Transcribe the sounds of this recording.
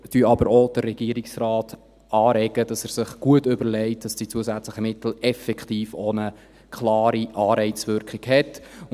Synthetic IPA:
tyɑbəɾod̥ərːɛɡiəɾɪksrɑːt | ʔɑːɾɛɡəd̥ɑsæɾsɪχɡ̥uətʏbəɾlɛɪt̚d̥ɑsd̥it͡suəsæt͡sləχəmɪtl̩ɛfɛkχtiːfonə | kʰlɑːɾiʔɑːɾɛɪt͡sʋʏɾkχɪɡhɛt

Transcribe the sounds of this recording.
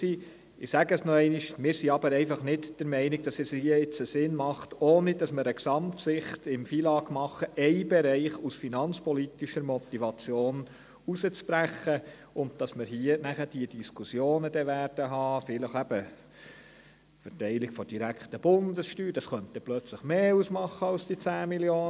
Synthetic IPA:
si | ɪsæɡəsnɔɛɪniʃmɪːɾsiɑbəɾɛɪfɑχnɪtd̥əɾmɛɪnɪɡ̚d̥ɑsɛshiəɪt͡səsɪnmɑχtoːnid̥ɑsməɾəksɑmtsɪχt̪ɪmfilɑːɡmɑχəʔɛɪbɛɾɛɪχusfinɑnt͡spɔlit̪iʃəɾmɔt̪iʋɑt͡sjoːn | usət͡spɾæχːə | ʊnd̚d̥ɑsməɾɦiənæχəd̥iəd̥iskusjoːnədɛʋæɾd̥əɦɑːfɪləχæb̥ə | fɛtɛɪlɪɡ̥fɔd̥iɾækχtəb̥ʊndəsʃtyːd̥ɑsχœnt̪ɛplœt͡sləχmeːusmɑχːəɑlsd̥iət͡sæːmiljoː

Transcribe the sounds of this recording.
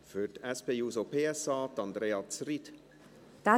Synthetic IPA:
fytɛspeːuːsopʰeːɛsɑːt̪ɑnd̪ɾeːɑt͡srit | d̪̥a

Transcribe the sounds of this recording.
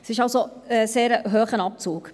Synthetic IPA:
sɪʃɑlsoɛseːɾəɦøːχənɑp̚t͡suːk

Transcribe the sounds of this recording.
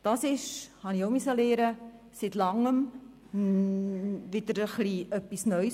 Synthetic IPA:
d̥ɑsɪʃhɑniomysəleːɾə | sitlɑŋːəm | ʋɪd̪əɾəχliʔœpːisnœʏ

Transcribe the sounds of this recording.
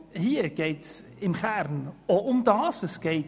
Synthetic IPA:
hiːəɡ̥eɪts | ɪmχæɾnoʊmdɑːsəsɡ̥eɪt

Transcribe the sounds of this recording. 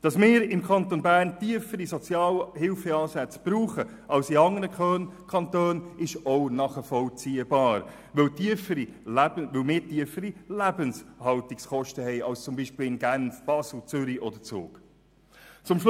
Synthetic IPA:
d̥ɑsmɪːɾɪmkʰɑnt̪onbæːɾntiəfəɾisɔt͡sjɑːlhɪlfɛɑːsæt͡sb̥ɾuːχə | ʔɑwsiɑŋənəkχøːnkʰɑnt̪øːnɪʃoʊnɑχəfɔlt͡siːəbɑːɾ | ʋɵwtiəfəɾilæbəvɵlmɪːɾtiəfəɾilæbənshɑlt̪iksχɔʃtəhɛɪɑlst͡sʊmbiːʃpɪl̩ɪnɡænfb̥ɑsl̩t͡sʏɾiʔɔdət͡sʊ̰ːk | t͡sʊmʃ

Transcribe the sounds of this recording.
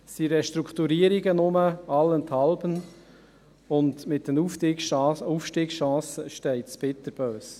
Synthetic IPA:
siɾɛʃt̪ɾukχt̪uɾiəɾiɡənʊməɑlːənt̪hɑlbən | ʊndmɪt̚d̥ənuftiːkʃɑuːfʃtiːɡʃɑ̃ːsəʃtɛɪtspɪt̪ːəɾb̥øːs

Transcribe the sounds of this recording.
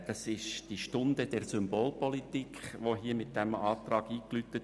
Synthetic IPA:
d̥ɑsɪʃd̥iʃtʊndəd̥ɛɾsʏmboːlpɔlit̪ikʰχʋoɦiːəmɪt̚d̥ɛmɑːt̪rɑːɡiːklytət

